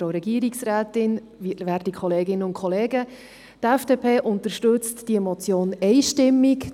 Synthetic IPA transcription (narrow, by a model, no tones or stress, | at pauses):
oɾɛɡiːəɾiksræːtɪn | vivæːɾtikʰχɔleːɡɪnːəʊntkʰχɔleːɡə | tɛfd̥eːpʰeːʔʊnt̪əɾʃtɵt͡std̥iɛmɔt͡sjoːnɛɪʃtɪmːik